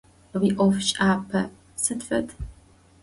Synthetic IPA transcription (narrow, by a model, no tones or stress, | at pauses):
wiːʔʷɔfʃʼaːpʰɐ | sɨdfɐtʰ